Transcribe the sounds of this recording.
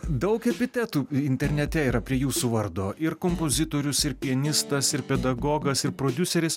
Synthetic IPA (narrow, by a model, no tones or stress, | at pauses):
d̪ɐʊkɛpʲɪt̪ʲɛt̪uːɪnʲt̪ʲɛɾʲnʲɛt̪ʲɛiːɾɐpʲɾʲiɛjuːsuːʋɐɾd̪oːʔɪɾkoːmpoːzʲɪt̪oːɾʲʊsɪɾpʲiɛnʲɪst̪ɐsɪɾpʲɛd̪ɐɡoːɡɐsɪɾpɾoːd̪ʲʊsʲɛɾʲɪs